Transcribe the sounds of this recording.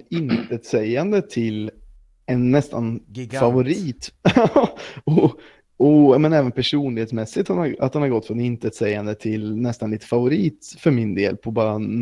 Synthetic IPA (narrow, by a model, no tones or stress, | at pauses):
ɪnt̪ɛt̪sɛjand̪ət̪ʰɪl | ɛnːɛst̪a̰nfavʊɾiːt̪ | ɔ | ɔɑːmɛnɛːvənpʰæʂuːnlɪheːt̪smɛsːɪt̪hanhaa̰t̪hanhaɾɡɔt̪fɾɔnɪnt̪ət̪sɛjand̪ət̪ʰɪlnɛst̪anliːt̪ə̥favʊɾiːt̪fœɾmɪnd̪eːlpʰɔbɑːɾa